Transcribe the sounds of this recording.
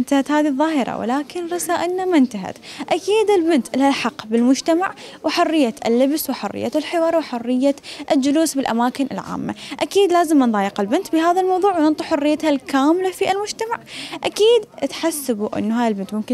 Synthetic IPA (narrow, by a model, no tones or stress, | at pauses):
nt̪ahat̪haːðiðˤːɑːhɪɾˤɑ̰wɪ̰laːkɪnɾˤɑsaːʔɪlnamɪnt̪aɦa̰t̪ʔakiːd̪ɪlbɪnt̪ʔɪlalħɑqːbɪlmʊd͡ʒt̪amaʕwʔɪħʊrːɪjːaɪ̰lːɪbswɪħʊrːɪ̰jːaɪlħɪwɑːɾˤwɪħʊrːɪjːaʔɪld͡ʒʊluːsbɪlʔamaːkɪnʔɪ̰lʕa̰ːmːa̰ʔakiːd̪laːzɪmːanðˤɑːjɪqɪlbɪnt̪bɪɦaːðalmɑwðˤuːʕwnɪnt̪ˤʊħʊrːɪjːat̪halkaːmlafiɪlmʊd͡ʒt̪amaʕʔakiːd̪t̪ħasːabuʔɪ̰nːuɦaːðalbɪnt̪mʊmkɪ